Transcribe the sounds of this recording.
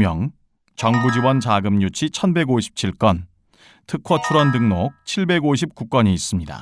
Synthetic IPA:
mjʌŋ | t͡ɕʌŋbud͡ʑibwʌnt͡ɕaɡɯmɲut͡ɕʰit͡ɕʰʌnbe̞ɡoɕʰi̥p̚t͡ɕʰiɭk͈ʌn | tʰɯkʰʌt͡ɕʰuɾʌndɯŋnok̚t͡ɕʰiɭbe̞ɡoɕʰip̚k͈uk͈ʌɲiːs͈ɯmɲida̰

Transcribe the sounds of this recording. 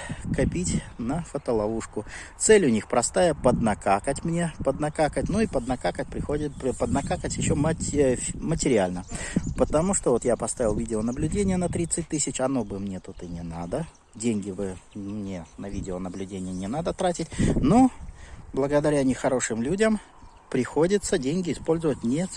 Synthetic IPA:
kɐpʲitʲnəfət̪əlˠɐvuʂkʊt̪sɛlʲʊnʲixpɾɐst̪ajəpəd̪nɐkakətʲmnʲe̞pəd̪nɐkakətʲnuipəd̪nɐkakət̚ʲpɾʲɪxodʲɪt̪̚pəd̪nɐkakətʲjɪɕːomə | mətʲɪɾʲɪalʲnəpət̪ɐmuʂt̪ovo̞t̪japɐst̪avʲɪlˠvʲidʲɪonəblʲʉdʲenʲɪjənət̪ɾʲit̪sɨt̚ʲt̪ɨsʲɪt͡ɕɐno̞bɨmnʲe̞t̪ut̪ɨnʲɪnad̪ə | dʲenʲɡʲɪbɨmnʲe̞nɐvʲidʲɪonəblʲʉdʲenʲɪjənʲɪnad̪ət̪ɾatʲɪtʲnoblˠəɡəd̪ɐɾʲanʲɪxɐɾo̞ʂɨmlʲudʲəm | pɾʲɪxo̞dʲɪt̪sədʲenʲɡʲɪɪspo̞lʲzʊvətʲnʲe

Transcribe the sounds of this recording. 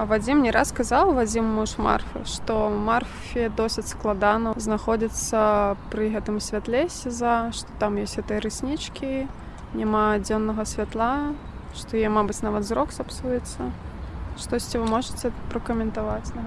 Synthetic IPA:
vad͡zʲimnʲɛɾʔasskazawvad͡zʲimːuʂma̰rfʲɨ̰ʂt̪ɔmarfʲiɛd̪ɔsʲɪt͡sʲsklˠad̪anɐznaxɔd͡zʲit̪sɐpɾɨɣɛt̪ɨmsʲvʲat̪lʲɛsʲizaʂt̪ɔ̥t̪amjɔsʲtʲɣɛt̪ɨjɐɾɨsʲnʲit͡ʂkʲi | nʲamad͡zʲɔnːɐɣɐsʲvʲat̪lˠa | ʂt̪ɔjɛmabɨt͡sʲnavɐt̪zɾɔksapsujɛt̪sːɐʂt̪ɔsʲt͡sʲivɨmɔʐɨt͡sʲɛpɾɐkɐmʲɛnt̪avat͡sʲnɐ

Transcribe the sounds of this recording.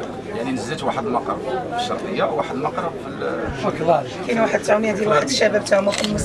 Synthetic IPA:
jaʕninəzːæt̪waħəd̪əlmɑqɾɑ̰bfə̥ʃːɑ̰ɾˤt̪ˤəjːawaħəd̪əlmɑqɾˤɑbfəlfəklɑ | kinwaħəd̪̚t̪ʕumijæd̪jəlwaħəd̪ʃæbæb̚t̪æmækʊnmʊs

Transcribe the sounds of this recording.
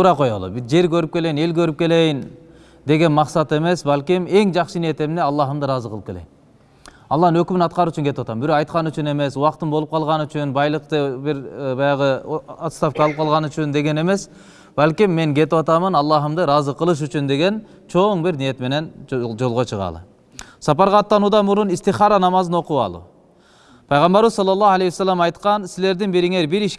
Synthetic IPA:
t̪uːɾɑqo̞jo̰lˠṵbid͡ʒe̞ɾkø̞ɾyp̚ke̞le̞jine̞lkø̞ɾyp̚ke̞le̞jin | d̪e̞ɡe̞nmɑqsɑt̪e̞me̞sbalʲkʲime̞ŋd͡ʒɑqʃɯnije̞t̪e̞mneɑlˠːɑɦɯmd̪ɯɾɑzɯqʰəlˠɯpke̞lḛjim | ɑlˠːɑːnnø̞kymynɑt̪̚qɑɾuːt͡ʃynɡe̞t̪ipwɑt̪ɑmbiɾo̞qɑjt̪̚qɑnyt͡ʃyne̞me̞suwɑqt̪ɯnbo̞lˠup̚qʰɑlˠʁɑnyt͡ʃynbɑjlˠɯqt̪ɯbiɾbɑjɑʁɯat̪st̪ɑfkɑlˠɯp̚qʰɑlˠʁɑnyt͡ʃynd̪e̞ɡe̞ne̞me̞s | balʲkʲimːe̞ŋɡe̞t̪ipwɑt̪ɑmɯnɑlˠːɑɦɯmd̪ɯɾɑzɯqəlˠɯʃ̬yt͡ʃynd̪e̞ɡe̞n | t͡ʃʰo̞ɴbiɾnije̞t̪me̞ne̞nd͡ʒo̞lˠʁo̞t͡ʃʰɯʁɑ̰lˠɯ̰ | sɑpɑɾʁɑːt̪ːɑnuːd̪ɑmuɾunist̪iχɑɾɑnɑmɑzɯno̞quɑ̰lˠṵ | pʰɑjʁɑmbɑɾuzsɑlːɑlːɑalejwsːalʲːamɑjt̪qɑnsile̞ɾd̪inbiɾiŋe̞ɾbiɾiʃ

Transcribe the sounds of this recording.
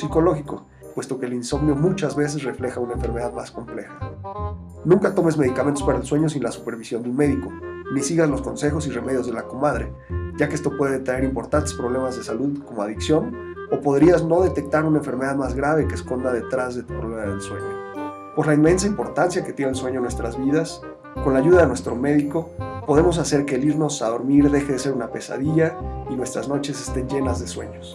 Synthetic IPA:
siko̞lo̞xiko̞ | pwe̞st̪o̞ke̞linso̞mnjo̞mut͡ʃazβe̞s̬e̞sre̞fle̞xaunaeɱfe̞ɾme̞ð̞aðmasko̞mple̞xḁ | nũŋkat̪o̞me̞zme̞ð̞ikament̪o̞spaɾaelswe̞ɲo̞s̬ĩnlasupe̞ɾβisjo̞nd̪unme̞ðiko̞nisiɣazlo̞sko̞nse̞xo̞sire̞me̞ðjo̞zðelakomaðɾe | ʝakeest̪o̞pwe̞ðe̞et̪ɾaeɾimpo̞ɾt̪ant̪e̞spɾo̞β̞le̞mazðe̞saluðko̞moaðiksjo̞n | o̞po̞ðɾiazno̞ðe̞t̪e̞k̚t̪aɾunaeɱfe̞ɾme̞ð̞aðmazɣɾaβekeːsko̞nd̪aðe̞t̪ɾazðet̪u̥pɾoβlemaðḛlswe̞̰ɲo̞ | po̞zlainme̞ns̬aimpo̞ɾt̪ansjaket̪jenelswe̞ɲo̞nwe̞st̪ɾazβiðas | ko̞nlaʝuðaðe̞nwe̞st̪ɾo̞me̞ðiko̞po̞ð̞e̞mo̞s̬ase̞ɾkeeliɾno̞saðo̞ɾmiɾðe̞xeðe̞se̞ɾunape̞sa̰ðiʝainwe̞st̪ɾazno̞t͡ʃe̞se̞̥st̪e̞nʝe̞nazðe̞swe̞̰ɲo̞s

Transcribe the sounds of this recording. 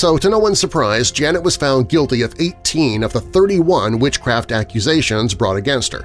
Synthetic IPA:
soʊɾɨnoʊwʌ̃n̥sə˞pʰɹ̥aɪzd͡ʒænɨt̚wʌz̥fãʊ̃n̚ɡɪlˠtiʌveɪttʰĩnʌvðəθɜ˞ɾiwʌ̃nwɪt͡ʃkʰɹ̥æftækjɨzeɪʃɨ̃nzbɹɔ̰ɾɨɡɛ̃nst̚hə̰˞

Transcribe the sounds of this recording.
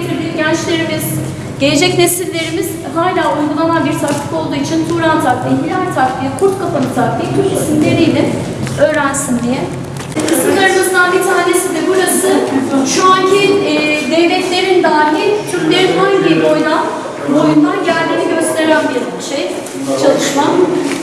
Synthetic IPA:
t̪ʰiɾd̪ʲinɟænt͡ʃlʲe̞ɾimiz̥ | ɟe̞le̞d͡ʒɛcnesilʲːe̞ɾimiz̥ | ɦaːlʲaːujɡulˠamanbiɾt̪ʰaklɯ̥ko̞lˠd̪uːit͡ʃʰint̪ʰuːɾant̪ʰaklʲiɦilʲant̪ʰaklˠikʰuɾt̪kʰafanɯt̪ʰaklˠit̪ʰyɾcnesimlʲe̞ɾijlʲɛ | ø̞ːɾænsinlʲijɛ | ɯsɯnˠaɾɯmɯzt̪aːnit̪ʰaːnesind̪ɛbuɾazɯʃuancʰiːd̪ɛjlɛclʲe̞ɾind̪aːɾiit̪ʰyɾt̪ʲlʲe̞ɾinɦaɲɟibo̞jna | bojund̪ˠanɟælʲd̪iːniɟø̞st̪ʰe̞ɾilænbijalˠɯlˠʃej | t͡ʃʰalˠɯʃmam

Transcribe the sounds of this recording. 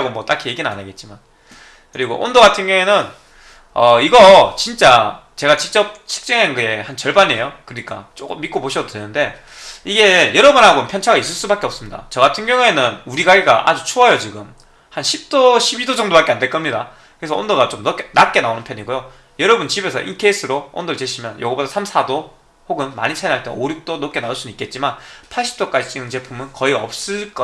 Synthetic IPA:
ɡomwʌt͈akʰije̞ɡinɯna̰naɡe̞t̚t͡ɕ͈iman | kɯɾiɡo̰ʔo̰ndoɡatʰɯnɡjʌŋwenɯn | ʌiɡʌt͡ɕint͡ɕ͈at͡ɕe̞ɡat͡ɕik̚t͡ɕ͈ʌp̚t͡ɕʰɯ̥k̚t͡ɕ͈eŋɦanɡɯe̞hant͡ɕʌɭbaɲie̞jokɯɯɲik͈a̰t͡ɕ͈ok͈ɯmːit̚k͈opoɕʰʌdodwe̞nɯnde̞ | iɡe̞jʌɾʌbunɦaɡopʰjʌnt͡ɕʰaɡais͈ɯɭs͈ubak͈e̞ʌp̚s͈ɯmɲida̰t͡ɕʌɡatʰɯnɡjʌŋue̞nɯnuɾiɡaɡiɡaʔa̰d͡ʑut͡ɕʰoajʌt͡ɕiɡɯm | hanɕʰip̚t͈oɕʰibidod͡ʑʌŋdoβbak͈e̞ande̞ɭk͈ʌmɲida | kɯɾes̬ʰʌo̰ndoɣat͡ɕomnʌknat̚k͈e̞naonɯnpʰjʌɲiɡojo | jʌɾʌbunt͡ɕibe̞sʰʌʔḭntʰeis͈ʰɯɾoo̰ndoɭt͡ɕeɕʰimjʌnjo̰ɡʌbodʰʌsʰamsʰado | hoɡɯnma̰ɲit͡ɕʰainɦaɭt͈eoɾjuk̚t͈onok͈e̞naoɭs͈unuik͈e̞t̚t͡ɕ͈imanpʰaɭɕ̬͈ʰi̥p̚t͈ok͈ad͡ʑit͡ɕ͈inɯnt͡ɕe̞pʰumɯnkʌiʌp̚s͈ɯɭk͈ʌ

